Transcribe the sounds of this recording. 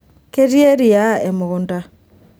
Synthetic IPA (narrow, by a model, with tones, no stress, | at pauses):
ke˦ti˦e˦ɾi˨a˦ɛ˨mo˨ɣo˨nda˦